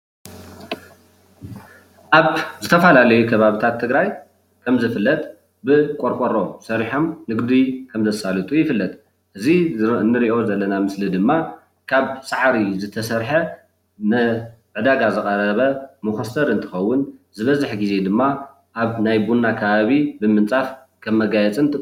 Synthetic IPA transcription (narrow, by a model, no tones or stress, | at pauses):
ʔaβzɨt̪ʰɐfalalɐjukʰɐβaβit̪ʰat̪ʰːɨɡɾaj | kʰɐmzɨfɨlːɐt̪ʼ | bɨkʷʼoɾkʼoɾo̞sɐɾiħo̞mnɨɡd̪ujkʰɐmzɐsalɨt̪ʼujɪfɨlːɐt̪ʼ | ʔɨzinːɨɾiʔo̞zɐlːɐnamɨslid̪ɨmːa | kʰaβsʼaʕɾizɨt̪ʰɐsɐɾħɐ | nɨ | ʕɨd̪aɡazɨkʼɐɾɐβɐmuxɐsɐɾɨnt̪ʰɨ̥xɐwːʊnzɨβɐzɨħɡize̞d̪ɨmːa | ʔaβnajbunːakʰɐβaβibɨmɨnt͡sʼaf | kʰɐmːɐɡajɛt͡sʼɨnt̪ʼɨ